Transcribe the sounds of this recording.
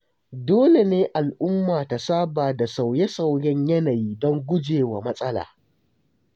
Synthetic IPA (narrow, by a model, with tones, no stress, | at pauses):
doː˦le˨neː˦ʔa˨lʔʊ˦mːaː˨ta˨saː˦baː˨da˨sa˨wjɛ˦sa˨wɽɛ˦ɲjɐ˦na˨jiː˦dɔ˦ŋɡʷʊ˦d͡ʒeː˨wa˨mɐ˦sʼɐ˦la̰ː˨